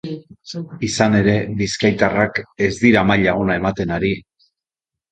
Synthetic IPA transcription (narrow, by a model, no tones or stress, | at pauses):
isane̞ɾe̞βiskajt̪arake̞zd̪iɾamaʎaonae̞mat̪e̞naɾi